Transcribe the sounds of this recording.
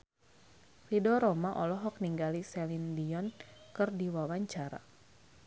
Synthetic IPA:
ridɔɾɔmaʔɔlɔɦɔk̚niŋɡalisɛlindiɔnkɨrdiwawaɲt͡ʃaɾa̰

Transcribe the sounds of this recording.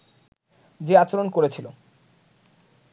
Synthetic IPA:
d͡ʑeat͡ɕoɾonkoɾet͡ɕʰilo

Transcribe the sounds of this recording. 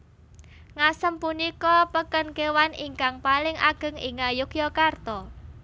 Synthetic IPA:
ŋasəmpunikɔpəkənkewaniŋkaŋpalɪŋa̰ɡ̥ə̤ŋɪŋajukjɔkart̪ɔ

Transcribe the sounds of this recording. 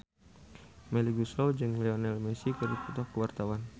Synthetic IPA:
mɛliɡusɾɔwd͡ʒɨŋlɛɔnɛlmɛsikəɾiput̪ɔhkəwart̪awan

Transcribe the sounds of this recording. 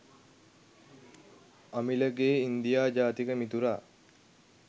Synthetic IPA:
amiləɡeːind̪ijaːd͡ʒaːt̪ikəmit̪uɾaː

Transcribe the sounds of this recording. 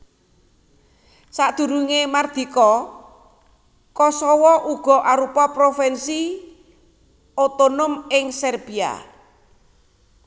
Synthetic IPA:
saʔd̪̥ṳɾuŋemard̪̥i̤kɔ | kɔsɔwɔʔuɡ̥ɔ̤ʔaɾupɔpɾofɛnsi | ot̪onʊmɪŋsɛrb̥ia̰

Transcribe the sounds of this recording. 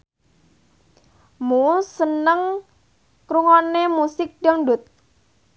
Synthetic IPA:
musənəŋ | kɾuŋonemusɪk̚d̥ɔŋɳɖʊt̪̚

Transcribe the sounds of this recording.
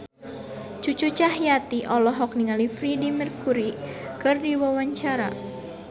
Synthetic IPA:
t͡ʃut͡ʃut͡ʃaɦjat̪iʔɔlɔɦɔk̚niŋalifɾidimirkuɾikɨrdiwawaɲt͡ʃaɾa

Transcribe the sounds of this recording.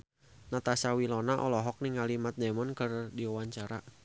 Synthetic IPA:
nat̪asawilɔnaʔɔ̰lɔɦɔk̚niŋalimat̪̚dɛmɔnkɨrdiɔwaɲt͡ʃaɾa

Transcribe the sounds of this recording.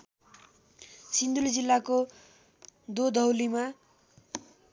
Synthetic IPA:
sind̪uld͡zilːako | d̪od̪ʱʌwlima

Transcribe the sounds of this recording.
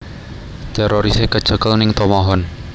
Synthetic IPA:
t̪eɾʔoɾisekə̥ʒ̥ə̤kəlnɪŋt̪omɔɦɔn

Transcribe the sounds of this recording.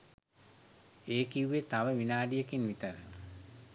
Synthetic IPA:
eːkijuʋet̪aʋəʋinaːɖijekinʋit̪əɾə

